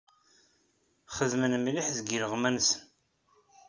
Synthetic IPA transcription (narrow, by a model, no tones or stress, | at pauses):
χəðmənmlɪħzɡiɾəʁmænsən